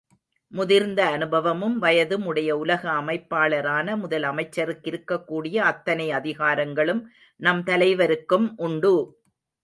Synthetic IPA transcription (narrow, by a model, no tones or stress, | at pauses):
mʊðɪɾnd̪ɐːnɯbɐʋɐmɯmʋɐjɐðɯmʊɽɐjɐʊlɐɣɐːmɐɪpːaːɭɐɾaːnɐmʊðɐlɐmɐɪt͡ʃːɐɾɯkːɪɾɯkːɐkːuːɽɪjɐɐt̪ːɐnɐɪɐðɪɣaːɾɐŋɡɐɭɯm | nɐmt̪ɐlɐɪʋɐɾɯkːɯmʔʊɳɖɯ